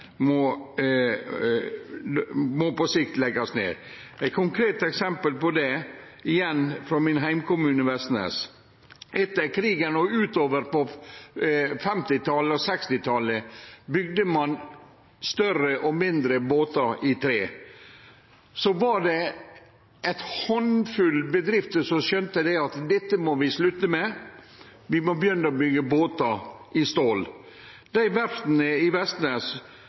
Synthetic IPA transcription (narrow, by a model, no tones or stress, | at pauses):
mɔ | mɔpɔsɪk̚t̪lɛɡɑsnḛːɾæɪt̪kʰʊŋkʰɾeːt̪ɛksɛmpəlpɔd̪ɛ | ɪjɛnfɾɔmɪnɦæɪmkʊmʉːnəʋɛst̪nɛ̰s | ʔɛt̪ːəɾkʰɾiːɡənɔʉːt̪oːʋəɾpɔ | fɛmt̪ɪt̪ʰɑləɔsɛkst̪ɪt̪ʰɑləbʏɡ̚d̪əmɑn | st̪œrəʔɔmɪnd̪ɾəboːt̪ɑɾɪt̪ʰɾeː | sɔʋɑɖɛ | ʔæɪt̪hɔnfʉlbəd̪ɾɪft̪əsɔʃœnt̪əd̪æɑt̪d̪ɛt̪ːəmɔʋɪslʉt̪ːəmɛ | ʋɪmɔbəjʏnːəɔbʏɡːəboːt̪ɑʔɪst̪oːl | d̪̥æɪʋæɾt̪nəɪʋɛst̪nɛs